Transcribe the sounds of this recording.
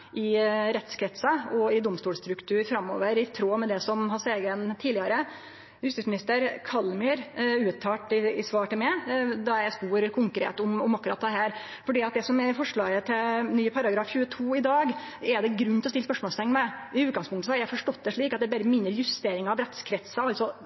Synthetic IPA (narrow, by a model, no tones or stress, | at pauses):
ʔɪɾɛt̪skʰɾɛt̪sɑɔɪd̪ʊmst̪uːlst̪ɾʉkt̪ʰʉːɾfɾɑmːo̰ːʋəɾɪt̪ʰɾoːmɛd̪ɛsɔmɦɑseːɡənt̪ʰiːd̪ɪɑɾə | hʉst̪ɪsmɪnɪst̪əɾkʰɑlmʏɾʉːt̪ʰːɑːʈɪɪsʋɑːʈɪlmɛd̪ɑjæspuːɾkʰʊŋkɾḛːt̪ʊmɔmɑkːʉɾɑ̰ːt̪ːd̪ɛɦæːɾ | fɔɖiːɑt̪̚d̪ɛsɔmɛɾfɔʂɭɑːɡət̪ʰɪlnyːpʰɑɾɑɡɾɑːfçʉːət̪ʰuːɪd̪ɑːɡɛd̪ɛɡɾʉnːɪlɔsɪlːspœʂmɔːlst̪ʰɛŋːmɛɪʉːt̪̚ɡɑŋspʊŋt̪əsɔhɑɾjæɪfɔʂʈɔt̪ːd̪ɛʂɭiːkɑt̪̚d̪ɛbɛɾəmɪnːəɾjʉst̪eːɾɪŋɑʋɾɛt̪skʰɾɛt̪səɑltsɔ